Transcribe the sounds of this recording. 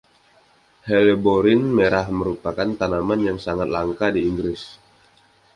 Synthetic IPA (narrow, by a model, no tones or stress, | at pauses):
hɛleboɾɪnmeɾahməɾupakant̪anamanjaŋsaŋat̪̚laŋkadiːŋɡɾɪs